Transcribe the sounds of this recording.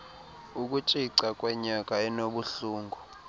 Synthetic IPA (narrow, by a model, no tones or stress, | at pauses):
uk̬ʼut͡ʃʼiǀakʼwɛɲak̬ʼaɛnoɓuɬuːŋɡʱu